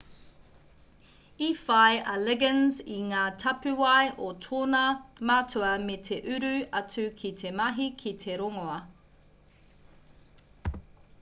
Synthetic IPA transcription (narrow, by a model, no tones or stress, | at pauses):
ifajʔɐlɛɡənziŋaːtʰɐpʉwɐjʔotʰoːnɐmatʰuɐmetʰeʔʉɾʉɐt͡sʉkʰitʰemɐɦikʰitʰeɾoŋoɐ